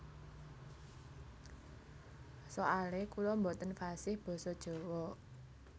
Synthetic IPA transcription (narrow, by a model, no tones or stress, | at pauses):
soʔalekulɔmbot̪ənfasɪhb̥ɔ̤sɔd̥ʒ̥o̤wɔ